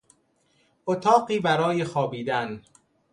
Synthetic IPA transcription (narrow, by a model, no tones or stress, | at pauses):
ʔot̪ʰɒːɢiːbæɾɒːje̞xɒːbiːd̪æn